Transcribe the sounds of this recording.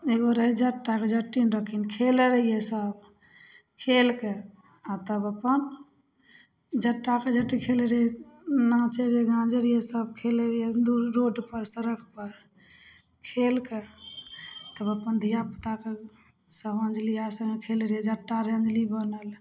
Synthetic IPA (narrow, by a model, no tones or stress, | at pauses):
eɡoɾəɦid͡ʒəʈːaked͡ʒəʈːinɾəkʰinkʰeləɾjesəb | kʰelke | at̪əbəpːən | d͡ʒəʈːaked͡ʒəʈːikʰelɾenat͡ʃeɾeɡãd͡ʒəɾjesəbkʰelɾjed̪uɾɾoɖpəɾsəɾəkʰpəɾ | kʰelke | t̪əbəpənd̪ʱijapət̪ake | səbə̃nd͡ʒliaɾsə̃ŋekʰelɾed͡ʒəʈːaɾeə̃nd͡ʒlibənəl